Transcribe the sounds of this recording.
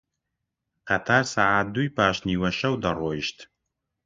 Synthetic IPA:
qɐt̪ʰaːrsaːʕaːt̚d̪ujpʰaːʃniːwɐʃɐwd̪ɐroːjɪʃt̪ʰ

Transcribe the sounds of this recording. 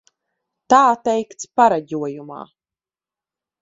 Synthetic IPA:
t̪aːt̪ɛjkt̪spaɾaɟʲuɔjuma̰ː

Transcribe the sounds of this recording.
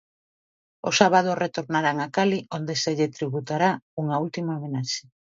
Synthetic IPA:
osaβað̞oret̪oɾnaɾaŋakaliʔond̪eseʎet̪ɾiβut̪aɾauŋault̪imaomenaʃe̥

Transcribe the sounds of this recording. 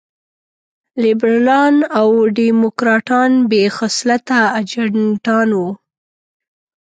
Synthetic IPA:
libɾlɑnawɖimʊkɾɑʈɑnbexaslat̪aːd͡ʒaɳʈɑnwu

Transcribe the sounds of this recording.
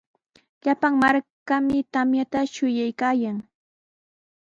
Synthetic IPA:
ʎapaŋmaɾkamɪt̪amjat̪aʃʊjajkaːjaŋ

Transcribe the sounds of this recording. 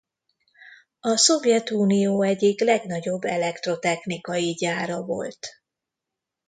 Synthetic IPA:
ɒso̞vjɛt̪uːnijoːɛɟiklɛɡnɒɟo̞bːɛlɛkt̪ro̞t̪ɛxnikɒjiɟaːɾɒvo̞̰lt̪

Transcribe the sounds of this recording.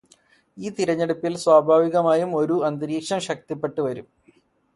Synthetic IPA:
iːt̪iɾɐɲːeɽupːilswaːbʱaːʋiɣɐmaːjumo̞ɾuɐnd̪ɐɾiːkʂɐmɕɐk̚t̪ipːe̞ʈːuʋɐɾum

